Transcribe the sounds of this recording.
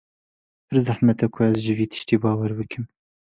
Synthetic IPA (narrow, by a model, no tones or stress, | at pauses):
pʰɨɾzɐħmɛt̪ɛkʰʊæzʒɨviːt̪ʰɨ̥ʃt̪iːbɑːwɛɾbɨkʰɨm